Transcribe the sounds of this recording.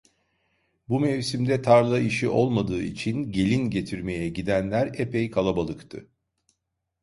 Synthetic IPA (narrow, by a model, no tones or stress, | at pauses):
bumevsimd̪ɛt̪ʰaɾlˠaiʃiʔo̞lˠmad̪ɯːit͡ʃʰinɟe̞lʲinɟe̞t̪ʰiɾme̞jɛɟid̪ænlʲæɾepʰejkʰalˠabalˠɯkt̪ʰɯ̰